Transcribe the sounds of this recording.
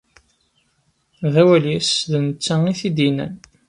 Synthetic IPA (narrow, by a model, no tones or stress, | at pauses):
ðæwæljæsðənət͡sːæiθid̪inæ̰n